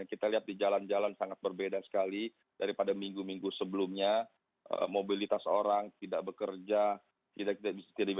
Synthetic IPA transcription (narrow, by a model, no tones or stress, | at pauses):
kit̪aliɦat̪̚did͡ʒaland͡ʒalansaŋat̪̚bərbedasə̥kali | d̥aɾipadamiŋɡumiŋɡusəbəlumɲa | ʔə̰mobilit̪aso̰ɾaŋt̪idaʔ̚bəkərd͡ʒa | t̪idaʔkit̪abisat̪iadi